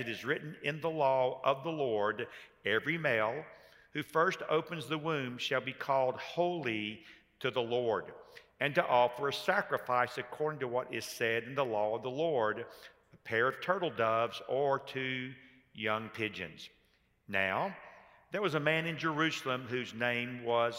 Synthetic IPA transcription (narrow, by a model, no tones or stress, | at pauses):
ɨɾɨzɹɪʔn̩ɪ̃nðəlɔʌvðəlɔɹɾ | ɛvɹimeɪlˠ | hʉfɜ˞sto̰ʊpɨ̃nzðəwʉ̃m̥ʃɨlˠbikʰɔlˠd̚hoʊlˠi | ɾɨðəlɔɹɾ | ɨ̃ntəʔɔfə˞ɨsækɹɨfaɪsɨkʰɔɹɾɪ̃ŋtəwʌɾɪz̥sɛɾɨ̃n̩ðəlɔʌvðəlɔɹɾ | əpʰɛɹʌv̥tʰɜ˞ɾl̩ˠdʌvzə˞tʰʉ | jʌ̃ŋpʰɪd͡ʒɨ̰̃nz̥ | na̰ʊ | ðə˞wʌzəmæ̃nɨ̃nd͡ʒə˞ʉsl̩ˠə̃mɦʉznẽɪ̃mwʌz̥